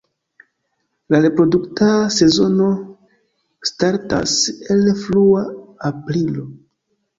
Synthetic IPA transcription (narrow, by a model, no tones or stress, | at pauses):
laɾe̞pɾo̞duktase̞zo̞no̞ | staɾta̰se̞lfluaapɾilo̞